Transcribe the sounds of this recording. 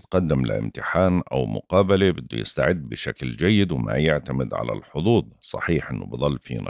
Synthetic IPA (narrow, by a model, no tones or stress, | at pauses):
t̪qɑd̪ːɪmlɪ̰ʔɪ̰mt̪ɪħaːnʔawmʊ̰qɑːbalebɪd̪ːujɪ̰st̪aʕɪd̪ːbɪʃakld͡ʒajːɪd̪wɪma̰jɪʕt̪amɪd̪ʕa̰la̰lħʊd̪ˤuːðˤsˤɑ̰ħiːħʔɪnːʊbɨðˤɑlːfḭːna̰